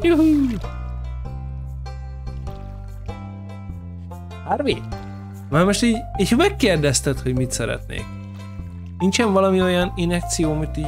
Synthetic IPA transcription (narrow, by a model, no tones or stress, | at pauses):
juɦu | harʋeːt̪ | marmoʃt̪iːɟiːchɒmɛkːeːrd̪ɛst̪ɛt̪ho̞ɟmit̪sɛɾɛ̰t̪nḛːk̚ | nint͡ʃɛɱvɒlɒmio̞jɒninɛk̚t̪sijoːmit̪ːiː